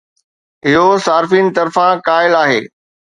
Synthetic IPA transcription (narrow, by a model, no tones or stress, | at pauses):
ɪɦosaːɾfiːn̆t̪ɐɾfãkaːɪlaːɦeː